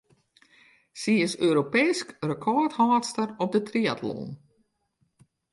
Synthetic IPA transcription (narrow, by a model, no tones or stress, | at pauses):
siɪsøːɾopeːskrəkʰɔthaːtstərɔp̚dətriatʰlo̰ːn